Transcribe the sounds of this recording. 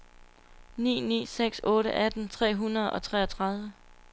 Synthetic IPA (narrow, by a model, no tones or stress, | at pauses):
nḭːnḭːseɡ̥sɔ̽ːɾəʔæd̥n̩t͡sʰʁɛ̰ːɦunɐð̞̩ˠɒ̽t͡sʰʁɛːɐɒt͡sʰʁɑ̈ð̞ˠʋə